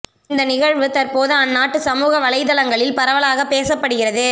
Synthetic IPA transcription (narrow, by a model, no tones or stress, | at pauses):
nd̪ɐnɪɣɐɻʋɯt̪ɐɾpoːðɯɐnːaːʈːɯsɐmuːɣɐʋɐɭɐɪðɐlɐŋɡɐɭɪlpɐɾɐʋɐɭaːɣɐpːeːsɐpːɐɽɯɣɪɾɐðɯ